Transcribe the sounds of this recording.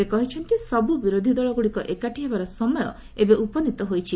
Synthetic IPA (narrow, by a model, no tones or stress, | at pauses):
ekɔɦit͡ʃʰɔnt̪isɔbubiɾod̪ʱid̪ɔɭɔɡuɭikɔʔekaʈʰiɦebaɾɔsɔmɔjɔ̰ | ebeʔupɔnit̪ɔɦojt͡ʃʰi